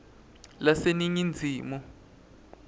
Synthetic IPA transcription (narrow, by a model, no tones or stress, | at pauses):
laseniɲind͡zʱiːmu